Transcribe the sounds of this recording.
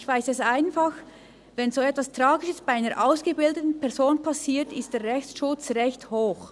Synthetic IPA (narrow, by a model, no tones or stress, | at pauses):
çv̥aɪsɛsʔaɪnfax | vɛnzoːɛtv̥astʁ̥aːɡɪʃəsb̥aɪaɪnəʔaʊsɡ̥əbɪldətn̩pʰɛɐzoːnpʰasiːtɪst̚d̥eːɾʁɛçt͡sʃʊt͡sʁɛçthoːx